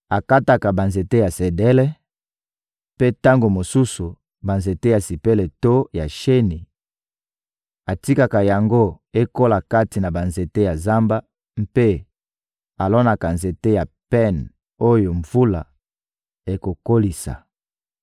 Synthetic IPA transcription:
a˨ka˦ta˨ka˨ba˨nze˨te˦ja˨se˨dɛ˦lɛ˦ | pe˦ta˦ŋɡo˨mo˨su˦su˨ | ba˨nze˨te˦ja˨si˨pe˦le˨to˦ja˨ʃe˦ni˨ | a˨ti˦ka˨ka˨ja˨ŋɡo˦ | e˦ko˦la˨ka˦ti˨na˨ba˨nze˨te˦ja˨za˦mba˦ | m̩˦pe˦ | a˨lɔ˦na˨ka˨nze˨te˦ja˨pɛ˦n | o˦jo˨ɱvu˦la˨ | e˨ko˨ko˦li˨sa̰˨

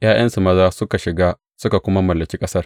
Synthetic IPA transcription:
j̰aː˦jɐ˦nsu˨mɐ˦zaː˦sʊ˦ka˨ʃɪ˨ɡaː˦ | sʊ˦ka˨kʷʊ˦ma˦mɐ˨lːɐ˨kʲiː˦kʼɐ˦sɐ˦r

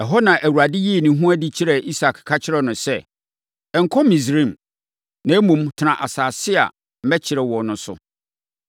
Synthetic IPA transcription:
ɛ˨ɦɔ˦nã˨ʔæ˨wu˨ɾa˨dɪ˦ji˦˨nĩ˨ɦũ˦æ˦di˦t͡ɕʰɪ˦ɾɛ˨ʔi˦sa˨kʰkʰa˦t͡ɕʰɪ˦ɾɛ˨nʊ̃˨sɛ˦ | ɛ˨ŋ̩˨kʰɔ˦mĩ˨s̬ɾĩ˨m | nã˨æ˦mũ˨mtʰɪ˨nã˨ʔa˨saː˨sɪ˦a̰˨ | m̩˨mɛ˦t͡ɕʰɪ˨ɾɛ˨wɔ˨nʊ̃˨sʊ̰˨

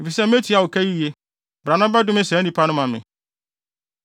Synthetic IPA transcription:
e˨fi˨sɛ˦m̩˦e˦tʰi˨˦a˨wo˨kʰæ˦ji˦je˦ | bɾa˨nã˦ba˦dʊ̃˦mɪ̃˦sɛ˨˦nĩ˦pʰa˦nʊ̃˦mã˨mɪ̰̃˨

